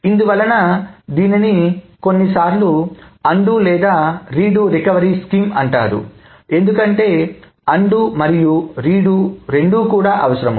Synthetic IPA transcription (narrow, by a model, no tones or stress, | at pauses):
ind̪uʋɐlːɐnɐd̪iːniniko̞nːisaːɾluɐɳɖulɛːd̪aːɾiːɖuɾikɐʋɐɾiːskiːmɐɳʈa̰ːd̪ṵ | e̞nd̪ukɐɳʈe̞ː | ɐɳɖumɐɾijuɾiːɽuɾe̞ɳɖuːkuːɽaːʔɐʋɐsɐɾɐmɐ